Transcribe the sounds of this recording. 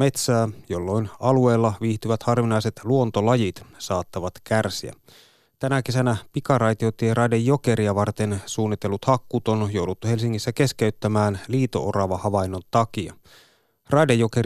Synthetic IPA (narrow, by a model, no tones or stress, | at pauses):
me̞t̪sæːjolːo̞inɑlue̞ːlːɑʋiːht̪yʋæt̪hɑrʋinɑjse̞t̪luo̞nt̪o̞lɑjit̪sɑːt̪ːɑʋɑt̪kærsiæ̰ | t̪ænæke̞sænæpikɑrɑjt̪iot̪ːierɑjdejːo̞ke̞ɾiɑʋɑrt̪e̞nsuːnːit̪ːe̞lːut̪hɑkːuːt̪onjowdut̪ːuhe̞lsiŋːisːæke̞skeyt̪ːæmæːnliːt̪o̞̰ʔorɑʋɑhɑʋɑinːont̪ɑkiɑ̰ | rɑjdejːo̞ke